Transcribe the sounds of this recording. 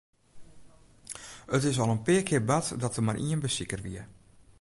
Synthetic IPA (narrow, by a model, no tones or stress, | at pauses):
ətɪsɔlˠənpɪəkʰɪərbatdɔtəmarʔiənbəsikərʋḭə